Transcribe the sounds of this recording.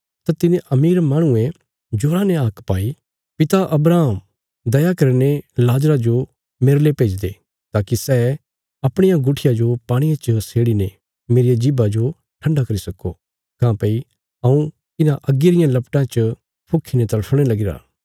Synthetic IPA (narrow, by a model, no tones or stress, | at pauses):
t̪at̪ɪneʔɐmiːɾmaːɽ̃ʊẽ | d͡ʒoːɾãneaːkpaːi | pɪt̪aʔɐbɾaːm | d̪ɐjakɐɾnelaːd͡ʒɾad͡ʒo | meːɾlepeːd͡ʒd̪e | t̪aːkisɛ | ɐpɽ̃ɪjãɡʊʈʰɪjad͡ʒopaːɽ̃ijãt͡ʃəseːɽine | meːɾijad͡ʒɪbad͡ʒo | ʈʰɐ̃ɳɖakɐɾisɐkːo | kãːpɐi | ɐũ | k̪ɪnãʔɐɡeɾɪjãlɐpʈãt͡ʃ | pʰʊkʰːinet̪ɐlpʰɽ̃elɐɡɪɾa̰ː